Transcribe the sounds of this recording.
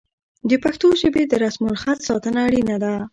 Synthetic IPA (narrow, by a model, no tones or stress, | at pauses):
d̪əpaxt̪oʒəbed̪əɾasmulxat̪sɑt̪ənaːɽinad̪a